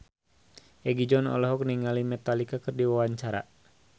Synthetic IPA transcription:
ʔɛɡid͡ʒɔnɔ̰lɔɦɔk̚niŋalimɛt̪alikakɨrdiwawaɲt͡ʃaɾa̰

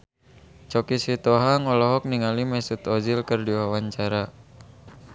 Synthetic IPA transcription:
t͡ʃɔkisit̪ɔɦaŋɔlɔɦɔk̚niŋalimɛsut̪ɔd͡ʒilkərdiwawaɲt͡ʃaɾa

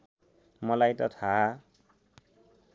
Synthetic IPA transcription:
mɔlajtɔt̪ʰa

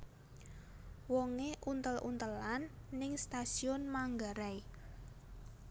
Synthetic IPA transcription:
wɔŋeʔunt̪əlʔṵnt̪əlanːɪŋst̪asiɔnmaŋɡaɾaj

